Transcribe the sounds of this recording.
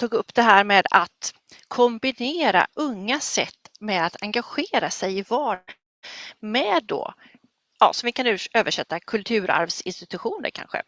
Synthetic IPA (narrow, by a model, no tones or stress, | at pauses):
t̪ʰuːɡɵpːd̪̥ɛɦæːɾmeːd̪at̪ | kʰɔmbɪneːɾa̰ʔɵŋːasɛt̪ːmɛd̪at̪ʰaŋɡaɧeːɾasɛjɪvɑːɾ | mɛd̪ːo̰ | jɑ̰ːsɔmvɪkʰanʉøːvəʂɛt̪ːakʰɵlt̪ʰʉ̟ːɾa̰ɾvsɪnst̪ɪt̪ɵɧuːnə̰ɾkʰa̰nɧə̰